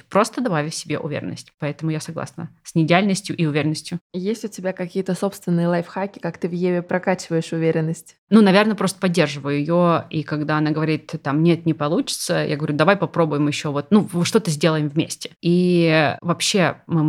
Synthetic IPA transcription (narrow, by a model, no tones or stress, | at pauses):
pɾo̞st̪əd̪ɐbavʲɪfʲsʲɪbʲe̞̰ʔʊ̰vʲḛɾʲɪ̰nːəsʲtʲpɐɛt̪əmʊjasɐɡlˠa̰snə̰sʲnʲɪɪdʲɪalʲnəsʲtʲjʊʔiʊvʲeɾʲɪnːəsʲtʲjʊjesʲtʲʊtʲɪbʲakɐkʲijət̪əso̞pst̪vʲɪnːɨjəlˠajfxakʲɪ̥kakt̪ɨvjevʲɪpɾɐkat͡ɕɪvəjɪʂʊvʲeɾʲɪnːəsʲtʲ | nunɐvʲernəpɾost̪ə̥pɐdʲːe̞rʐɨvəjʊjɪjoikɐɡd̪aɐnaɡəvɐɾʲit̪t̪amnʲet̪̚nʲɪpɐlˠut͡ɕɪ̥t̪səja̰ɡəvɐɾʲud̪ɐvajpɐpɾo̞bʊjɪmjɪɕːo̞vo̞t̪̚nuʂt̪o̞t̪əzʲdʲe̞lˠəjɪmvmʲesʲtʲɪ̥ivɐpɕːe̞mɨ